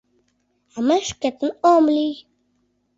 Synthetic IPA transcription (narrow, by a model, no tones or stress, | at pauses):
amɛʃkɛt̪n̩ɔmli